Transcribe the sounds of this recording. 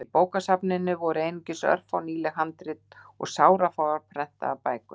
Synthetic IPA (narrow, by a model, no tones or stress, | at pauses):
ɪpoːwkasapnɪnːʏvɔɾʏejnɪɲcɪsœ̰r̥fawniːlɛhant̪ɾɪt̪ | ɔ̰ɣsaːwɾafawðaɾpʰɾɛn̥t̪a̰ːpaːjkʏ